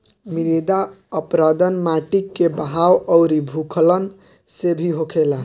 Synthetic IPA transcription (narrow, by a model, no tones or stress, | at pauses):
miɾed̪a | əpɾəd̪ənmaʈikːebaɦawʌwɾibʱukʰlən | sebʱiɦokʰela